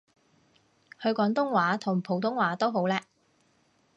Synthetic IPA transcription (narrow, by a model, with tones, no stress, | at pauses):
hɵ˨˧ɥkɔː˨˥ŋt̪ʊ˥ŋwaː˨˥t̪ʰʊ˨˩ŋpʰo˨˧wt̪̬ʊ˥ŋwaː˨˥t̪o˥wɦo˨˥wlɛː˥